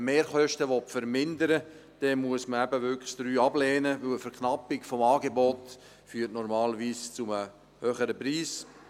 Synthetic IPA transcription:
meːɾχœʃtəʋɔtfəɾmɪndəɾə | d̥ɛmuəsməæbəʋʏkd̥ɾyːɑblɛːnəʋɵwəfɛɾkʰnɑpːɪkfɔmɑːɡebɔt | fyːtnɔɾmɑːlʋiːst͡sʊmə | høχəɾəpɾiːs

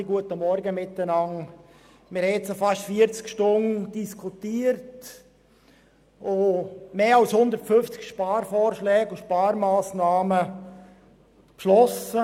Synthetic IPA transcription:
ɪɡuətəmɔɾɡəmɪtːənɑŋ | mɪɾhɛtsofɑʃtfiːəɾt͡skʃtʊnd̥iskʰutiːəɾt | ʔomeːɑlshʊnd̪əɾtfʏnft͡sɪ̥kʃpaːɾfɔːɾʃlɛːɡʊʃpɑːɾmaːsnaːmə | pʃlɔsə

